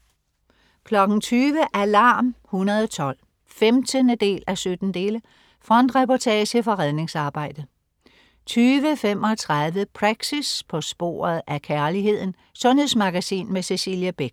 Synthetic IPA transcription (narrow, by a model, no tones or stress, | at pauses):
kʰlɒ̽ɡ̥ŋ̩t͡sʰyːʋəʔælɑ̰̈ːmhunɐðˠɒt͡sʰɒ̽l̰ | femd̥ənəd̥e̝̰ːlʔæsød̥n̩d̥e̝ːlə | fʁɒn̰d̥ʁepɒt͡sʰɛːɕəfɒ̽ʁaðˠne̝ŋsɑ̈ːb̥ɑ̈ɪ̰d̥ə | t͡sʰyːʋəfem̰ɒ̽t͡sʰʁaðˠʋəpʰʁɑ̈ɡ̥sispʰɒ̽sb̥o̝̰ːɐð̩ˠʔækʰæɐlihe̝ð̞̰ˠn̩ | sɔ̽nhe̝smɑ̈ɡ̥æsḭːnmese̝siljæb̥eɡ̥̚